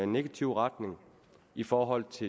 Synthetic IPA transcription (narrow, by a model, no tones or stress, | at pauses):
e̝nːe̝ɡ̥æt͡sʰiʊ̰ʁɑd̥ne̝ŋ | ifɒːɦɒ̽l̰t͡sʰe̝